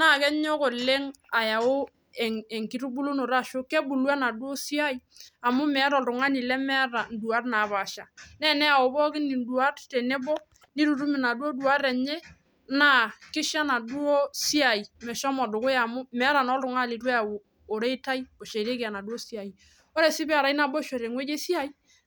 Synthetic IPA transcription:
na˦˨kɛ˦ɲ˦ɔ˦ko˨le˦ŋ | a˨ja˨wo˦ | ɛ˨ŋɛ˨ŋki˨ɾu˦bu˦lu˦no˨ɾa˦˨ʃo˦ke˦bu˨lwa˦na˨du˦o˦si˦a˦i˦ | a˨mʊ˦mɛ˨˦ɾɔ˨ltʊ˨ŋa˦ni˨lɛ˦mɛ˦ɾa˨n̩˨du˨a˦rna˨ba˨ʃa˨nɛ˦nɛ˦a˨o˨bɔ˦kɪ˦ni˨n˦du˨a˦rtɛ˨ne˦bɔ˦ | ni˦ɾu˨ɾu˦mi˨na˨dwo˦du˨a˦ɾɛ˨ɲɛ˦ | na˦˨kɪ˦ʃa˦na˨du˦o˦si˦a˨i˨mɛ˨ʃɔ˦mɔ˨dʊ˨kʊ˦ja˨mʊ˦mɛ˨˦ɾa˨nɔ˦lɾʊ˨ŋa˦li˨twe˦a˨ | o˨ɾe˦i˦ta˦i˦bo˨ʃe˨ɾe˦kɪ˨a˨na˨du˦o˦si˦a˨i˨ | o˦ɾɛ˨sɪ˦bɛ˦a˨ɾa˨˦i˦na˨bo˦ʃo˨ɾe˨ŋwe˦d͡ʒe˦si˦a˦i˦

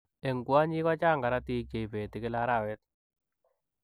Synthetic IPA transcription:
e˨ŋɡwa˦ɲɪ˦ka˦t͡ʃa˦˨ŋɡa˨ɾa˦ti˦t͡ʃe˨i˨pe˨tɪ˨kɪ˦la˦ɾa˦˨wɛ˦t̚

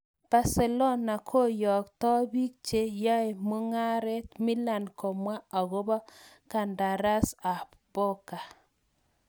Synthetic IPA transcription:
b̥a˦se˨lɔ˦na˨kʰo˦jɔ˨ktɔ˦bi˦k̚t͡ʃe˦ja˦ɪ˨mu˦ŋa˦ɾɛ˦tmɪ˦la˨nkɔ˨mwa˦a˨ɣo˦ba˦ | ka˨nda˨ɾa˦sa˨ | po˦ka˨

